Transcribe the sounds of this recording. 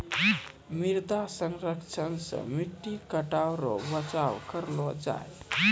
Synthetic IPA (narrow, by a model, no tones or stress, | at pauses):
miɾd̪asənɾəkt͡ʃʰənsə̰̃miʈːikəʈawɾɔ̰bət͡ʃawkəɾlɔd͡ʒa̰e